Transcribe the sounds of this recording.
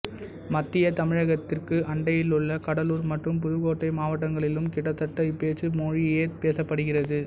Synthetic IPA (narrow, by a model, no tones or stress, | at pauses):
mɐt̪ːɪjɐt̪ɐmɪɻɐɣɐt̪ːɪrkɯʔɐɳɖɐjɪlʊɭːɐkɐɽɐluːɾmɐʈrɯmp̬ʊðɯɣoːʈːɐɪmaːʋɐʈːɐŋɡɐɭɪlɯmkɪɽɐt̪ːɐʈːɐpeːt͡ʃɯmoːɻɪeːpeːsɐpːɐɽɯɣɪrɐðɯ